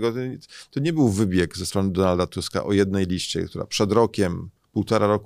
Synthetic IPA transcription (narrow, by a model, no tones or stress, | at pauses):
ɡɔt̪t̪ɔɲɛbɘwvɘbʲjɛɡzɛst̪ɾɔnɘd̪ɔnald̪at̪uska̰ʔɔjɛd̪̚nɛjlʲiɕt͡ɕɛ̰kt̪uɾa̰pʂɛd̪ɾɔkʲɛm | puwt̪ɔɾaɾɔk